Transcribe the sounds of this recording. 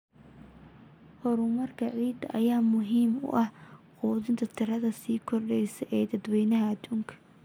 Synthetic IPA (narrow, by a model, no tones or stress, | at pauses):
hɔɾʊmɐrkʰɐʕiːd̪ɐʔɐjaːmʊɦiːmʊ̰ʔɐhquːðɪnt̪ʰɐt̪ʰɪɾɐðɐsiːkʰɔrɖɛjsɐʔɛːd̪ɐd̪wɛjnɐɦɐɐd̪uːŋkʰɐ̥